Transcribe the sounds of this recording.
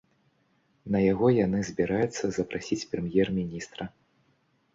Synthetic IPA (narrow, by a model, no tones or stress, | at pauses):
nɐjaɣɔjanɨzʲbʲiɾajut̪sːɐzɐpɾasʲit͡sʲpɾɨmjɛrmʲinʲist̪ɾɐ